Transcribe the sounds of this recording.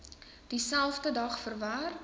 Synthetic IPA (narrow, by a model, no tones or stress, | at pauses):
d̥isælˠfdədɐχfərvaːr